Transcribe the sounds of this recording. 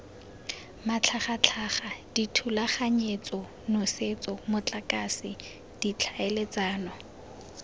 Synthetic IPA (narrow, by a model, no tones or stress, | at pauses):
mat͡ɬʰaχat͡ɬʰaχad̥itʰulaχaɲet͡sʼɔ | nʊset͡sʼɔmʊt͡ɬʼakʼasi | d̥it͡ɬʰaelet͡sʼaːnɔ